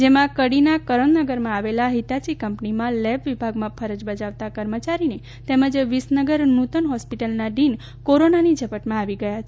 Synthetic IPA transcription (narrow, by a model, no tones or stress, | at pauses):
d͡ʒemãkəɽinakəɾənnəɡəɾmãaʋelaɦit̪at͡ʃikəmpnimãlɛbʋibʱaɡmãfʰəɾəd͡ʒbəd͡ʒaʋt̪akəɾmət͡ʃaɾine | t̪ɛməd͡ʒʋisnəɡəɾnut̪ənɦɔspiʈəlnaɖin | koɾonanid͡ʒəpəʈmãaʋiɡəjat͡ʃʰe